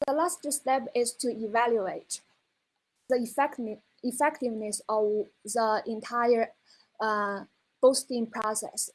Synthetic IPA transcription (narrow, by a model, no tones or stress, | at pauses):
ðəlaststɛpɪztʰuivæljueɪt | ðəfɛk | ifɛktɪvnɨsɔvðəɪ̃ntʰaɪə˞ | b̥oʊstɪ̃ŋpʰɹ̥ɔsɛ̰s